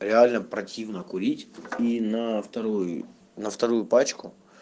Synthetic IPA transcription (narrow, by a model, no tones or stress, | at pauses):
ɾʲɪalʲnɐpɾɐtʲiʋnɐkʊɾʲitʲinɐft̪ɐɾɔjʊ | nɐft̪ɐɾujʊpɑt͡ʃkʊ